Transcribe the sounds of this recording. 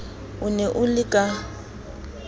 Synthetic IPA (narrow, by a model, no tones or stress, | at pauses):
ʊnɛʔʊlɪkʼa